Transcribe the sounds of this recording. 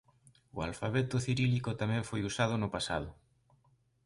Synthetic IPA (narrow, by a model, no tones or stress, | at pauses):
ʊa̰lfaβɛt̪ʊθiɾilikot̪amɛ̃ɱfojusað̞ʊnʊpasa̰ð̞ʊ